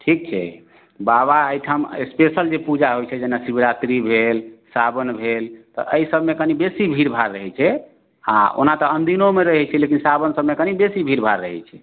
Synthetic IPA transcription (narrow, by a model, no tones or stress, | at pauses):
ʈʰik̚t͡ʃʰɛ̰ | baβaəjʈʰəmespesəld͡ʒepud͡ʒaɦojt͡ʃʰɛd͡ʒenasibɾat̪ɾibʱelsabənbʱelt̪ɔ̰ʔəisəbmekənibesibʱiɾbʱaɾːəɦɛt͡ʃʰɛ | a̰o̰nat̪ɔənd̪inomeɾəɦɛt͡ʃʰɛlekinsabənsəbmekənibesibʱiɾbʱaɾːəɦɛ̰t͡ʃʰɛ